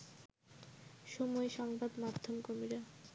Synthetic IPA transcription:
ʃomɔeʃɔŋbad̪mad̪ʱːomkomiɾa

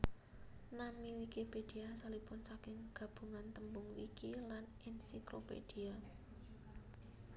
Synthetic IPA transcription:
namiwikiped̥iasalipʊnsakɪŋɡ̥ä̤b̥ṳŋant̪əmbʊŋwikilanʔɛnsiklo̰pḛd̥ia

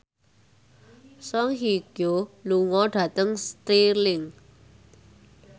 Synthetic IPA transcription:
sɔŋɦiɡ̥oluŋɔɖ̥ä̤t̪əŋst̪ilɪŋ

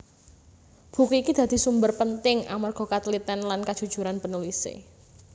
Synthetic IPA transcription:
b̥ṳkuikid̪̥ä̤d̪̥i̤sumbərpənt̪ɪŋʔa̰marɡ̥ɔ̤kat̪lit̪ɛnlankad̥ʒ̥ṳd̥ʒ̥ṳɾanpənulisḛ

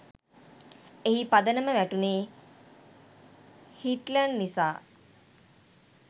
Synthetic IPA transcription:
eɦipad̪ənəməʋæʈuneː | hiʈlənːisaː

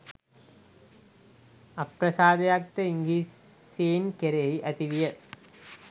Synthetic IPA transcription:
ɐpɾɐsaːd̪ɐjaːk̚t̪ɐiŋɡiːs | seːnkeɾeɦiʔɐt̪iʋijɐ

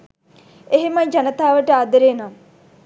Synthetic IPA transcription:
eɦemaɲd͡ʒanət̪aːʋəʈəad̪əɾeːna

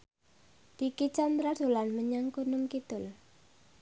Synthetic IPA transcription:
d̪̥ikit͡ʃand̪ɾḁd̥o̤lanməɲaŋkunʊmkit̪ʊl

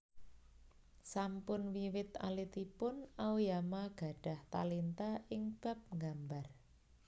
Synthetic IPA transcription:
sampʊnwiwɪt̪a̰lit̪ipʊnaujamaɡ̥a̤ɖ̥a̤ht̪a̰lint̪aɪŋb̥a̤p̚ŋɡambar

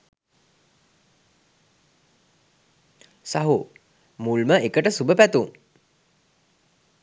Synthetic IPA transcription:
saɦu | mulməekəʈəsubəpæt̪uŋ

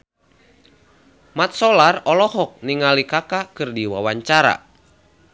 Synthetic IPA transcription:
mat̪̚sɔlarɔlɔɦɔk̚niŋalikakakɨrdiwawaɲt͡ʃaɾa̰

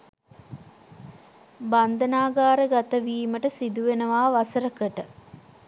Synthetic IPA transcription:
band̪ənaːɡaːɾəɡat̪əʋiːməʈəsid̪uʋenəʋaːʋasəɾəkəʈə

